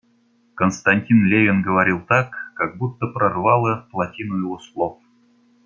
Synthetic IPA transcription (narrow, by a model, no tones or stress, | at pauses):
kənst̪ɐnʲtʲinlʲevʲɪnɡəvɐɾʲilˠt̪akːaɡ̚but̪ːəpɾɐrvɑlˠəplˠɐtʲinujɪvoslˠof